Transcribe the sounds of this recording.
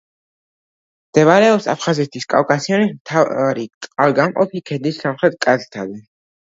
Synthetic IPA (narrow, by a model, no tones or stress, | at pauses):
md̪̥ɛvaɾɛɔpsa̰pʰχazɛt̪ʰiskʼa̰wkʼasiɔnimt̪ʰaɾit̪ʼqʼalɡamqʼɔ̰pʰikʰɛd̪isːamχɾɛt̪̚kʼazt̪ʰad̪ɛ